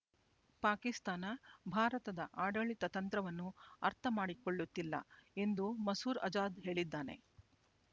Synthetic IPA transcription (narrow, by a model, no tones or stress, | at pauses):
paːkist̪aːnɐbʱaːɾɐt̪ɐd̪ɐʔaːɖɐɭit̪ɐt̪ɐnt̪ɾɐʋɐnːuɐ̰ɾt̪ʰɐmaːɽikoɭːut̪ːilːɐ̰e̞nd̪umɐsuːɾɐ̰d͡ʒaːd̪ɦe̞ːɭid̪ːaːne̞̰